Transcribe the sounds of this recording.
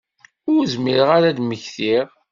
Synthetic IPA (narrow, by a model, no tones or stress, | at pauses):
ʊɾzmiɾəʁaɾad̪məçθiʁ